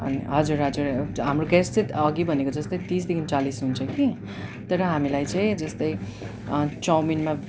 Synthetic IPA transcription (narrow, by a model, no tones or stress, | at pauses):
ʌ̰nḭɦʌd͡zurɦʌd͡zurɦamroɡest͡sʌʌɡibʱʌnekod͡zʌst̪ʌjt̪ĩsd̪ikʰinit͡salisɦunt͡sʰʌ̃ki | t̪ʌɾʌɦamilajt͡sʌ̃j̃d͡zʌst̪ʌj | t͡sʌwminma